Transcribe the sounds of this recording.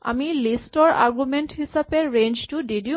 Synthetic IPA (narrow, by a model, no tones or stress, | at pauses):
a̰milistɔɹa̰ɹɡumenthisapeɹend͡ʒtʊdidi